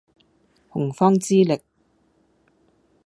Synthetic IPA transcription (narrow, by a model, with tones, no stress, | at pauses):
hʊ˨˩ŋfɔː˥ŋt͡siː˥lɪ˨k̚